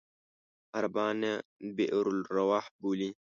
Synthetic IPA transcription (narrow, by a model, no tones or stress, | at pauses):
hɐɾbaːnebeʔɾulɾɐwaːħbuːli